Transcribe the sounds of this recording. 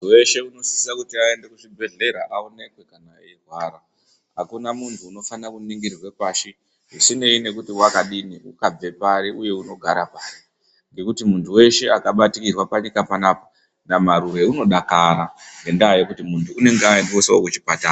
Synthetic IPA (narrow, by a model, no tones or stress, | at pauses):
uwe̞ʃe̞uno̞si̥sisakutiae̞nde̞kuʐibʱe̞ɮe̞ɾaʔaone̞kwe̞kanaerwaɾa | ɦakunamuntʰuːno̞fanakuniŋɡirrwe̞paʃi | ɦisine̞ine̞kutiwakaɗiniukab͡ve̞paɾiʔuje̞uno̞ɡʱaɾapaːri | ŋɡe̞kutimuntʰuwe̞ʃe̞akaɓatikirwapaɲikapanaːpḁ | namaɾuɾe̞uno̞ɗakaɾaŋɡe̞ndaːjekutimuntʰuːne̞ŋɡeaendeoseokut͡ʃipata